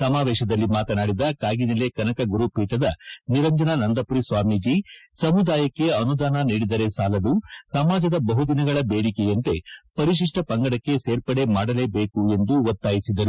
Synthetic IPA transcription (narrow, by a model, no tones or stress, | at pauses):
sɐmaːʋɛːʃɐd̪ɐlːimaːt̪ɐnaːɽid̪ɐkaːɡinelekɐnɐkɐɡuɾupiːʈɐd̪ɐniɾɐɲd͡ʒɐnɐnɐnd̪ɐpuɾisʋaːmid͡ʒisɐmud̪aːjɐkːe̞ɐnud̪aːnɐniːɽid̪ɐɾe̞saːlɐd̪usɐmaːd͡ʒɐd̪ɐbɐɦud̪inɐɡɐɭɐbeːɽikejɐnt̪e̞pɐɾiʃ̬iʂʈɐpɐŋɡɐɽɐkːe̞seːɾpɐɽe̞maːɽɐle̞ːbeːkue̞nd̪uʋɐt̪ːaːjisid̪ɐɾu